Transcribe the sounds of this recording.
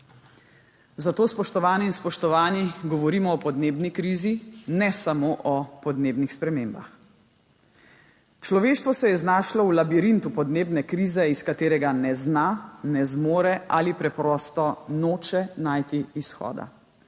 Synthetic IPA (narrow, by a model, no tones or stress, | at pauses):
zat̪oːspɔʃt̪ɔʋaːniinspɔʃt̪ɔʋaːniɡɔʋɔɾiːmɔɔpɔd̪neːbnikɾiːzinɛsamoːʔɔpɔd̪neːbnixspɾɛmeːmba̰x | t͡ʃlɔʋeːʃt̪ʋɔsɛjɛznaːʃlɔwlabiɾint̪upɔd̪neːbnɛkɾiːzɛiskat̪eːɾɛɡanɛznanɛzmoːɾɛʔa̰lipɾɛpɾɔːst̪ɔnoːt͡ʃɛnaːjt̪iːsxɔ̰ːd̪a̰